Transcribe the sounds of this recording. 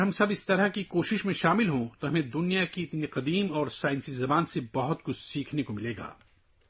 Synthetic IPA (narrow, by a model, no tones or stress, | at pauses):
ɦɐmsɐbɪst̪ɐɾɐkikoːʃɪʃmẽʃaːmɪlɦõt̪oɦɐmẽd̪ʊnijakiɪt̪niqɐd̪iːmɔːɾsaːɪnsizɐbaːnsebɐɦʊt̪̚kʊt͡ʃʰsiːkʰnekomɪleːɡa̰ː